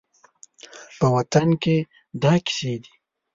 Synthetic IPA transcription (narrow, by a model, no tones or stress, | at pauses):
pəwat̪anke | d̪ɑkɪ̥sed̪i